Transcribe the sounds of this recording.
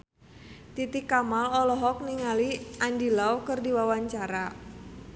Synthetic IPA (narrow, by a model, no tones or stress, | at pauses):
t̪it̪ikːamalɔlɔɦɔk̚niŋaliʔandilawkɨrdiwawaɲt͡ʃaɾa